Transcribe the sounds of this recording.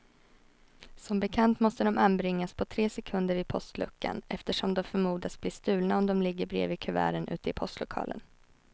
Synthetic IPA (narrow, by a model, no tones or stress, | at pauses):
sɔmbɛkʰant̪mɔst̪əd̪ɔmʔanbɾɪŋːaspʰɔt̪ʰɾeːsɛkʰɵnd̪əɾvɪpʰɔst̪lɵ̰kːa̰nʔɛft̪əʂɔmd̪ɔmfœɾmuːd̪asb̥lɪst̪ʉ̟ːlnaɔmd̪ɔmlɪɡːəɾbɾḛːvɪkʰɵvæ̰ːɾənʔʉ̟̰ːt̪əɪpʰɔst̪lʊkʰɑ̰ːlə̰n